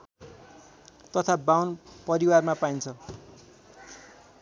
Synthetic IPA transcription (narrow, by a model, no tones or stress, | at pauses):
t̪ʌt̪ʰabawnpʌɾiwarmapaint͡sʰʌ